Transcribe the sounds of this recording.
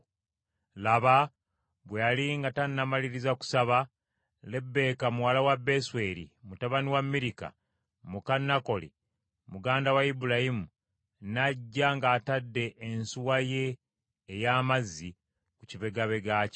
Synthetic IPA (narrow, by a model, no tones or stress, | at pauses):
laβa | βwealiŋɡatanːamaliɾizaku̥saβa | le̞bːe̞kamuwalawabːeswe̞ɾḭmutaβaniwamːiɾika̰ | mukanːako̞lḭ | muɡaːndawaibulahimu | naɟːaŋɡaːtadːe̞ʔːnsuwaje̞ː | jaːmazːi | kuciβe̞ɡaβe̞ɡaːci̥